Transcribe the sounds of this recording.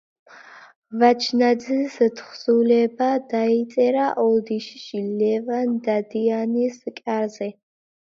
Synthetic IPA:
vat͡ʃʰnad̪zist̪ʰχsulɛbad̪ait̪sʼɛɾaʔɔld̪iʃʃilɛvand̪ad̪ianiskʼaɾzɛ

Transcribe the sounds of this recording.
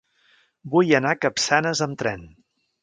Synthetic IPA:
bujənakəpsanəzəmt̪ɾɛn

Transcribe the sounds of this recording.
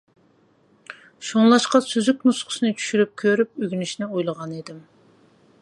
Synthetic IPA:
ʃuŋlˠɑʃqɑsyzykʲnusqʰʊ̥sɨnɨt͡ʃʰy̥ʃyɾyp̚kʲʰøɾyp̚øɡʲynyʃnɪojlˠəʁɑned̪ɪm

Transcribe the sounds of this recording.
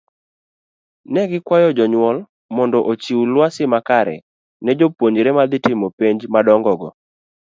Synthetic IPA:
nɛɡɪkwajɔd͡ʒɔɲwɔl | mɔndɔʔot͡ʃiwulwasɪmakaɾɛ̰ | nɛd͡ʒopwoɲɾɛmad̪ɪtɪmɔpeɲd͡ʒmadɔŋɡɔɡɔ

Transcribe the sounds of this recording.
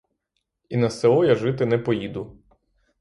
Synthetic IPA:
inɐsɛɔjɐʒɪt̪ɪnɛpɔjid̪ʊ

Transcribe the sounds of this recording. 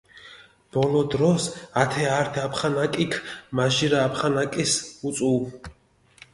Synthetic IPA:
b̥ɔlɔd̪ɾɔsat̪ʰɛaɾt̪ʰapʰχanakʼikʰmaʒiɾaːpʰχanakʼisut̪sʼuv

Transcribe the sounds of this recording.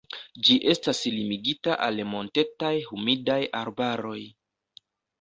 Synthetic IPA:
d͡ʒiʔe̞staslimiɡitaʔalmo̞nte̞tajhumidajaɾbaɾo̞j

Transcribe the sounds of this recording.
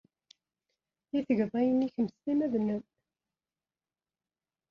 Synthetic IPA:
iθəʝðˤɑjəniçəmst̪imæðnəm

